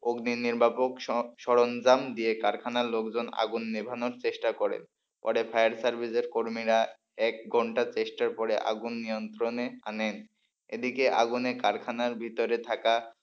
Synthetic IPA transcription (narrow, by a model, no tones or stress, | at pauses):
oɡniniɾbʱapokʃɔɽond͡ʑamd̪iekaɾkʰanalokd͡ʑona̰ɡunːibʱanoɾt͡ɕeʃʈakɔɾḛn | pɔ̰ɽefʰajaɾsaɾbʱiseɾkoɾmiɾa | ɛk̚ɡʱɔɳʈat͡ɕeʃʈaɾpɔɾeʔa̰ɡunːijont̪ɾoneanen | ed̪ikeʔa̰ɡunekaɾkʰanaɾbʱit̪oɾet̪ʰaka